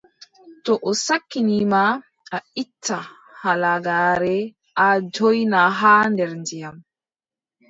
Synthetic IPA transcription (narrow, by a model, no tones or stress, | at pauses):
tɔʔɔsakːinima | aitʰːa | halaɡaːɾɛ | ʔad͡ʒɔjnaɦaːndɛɾndijam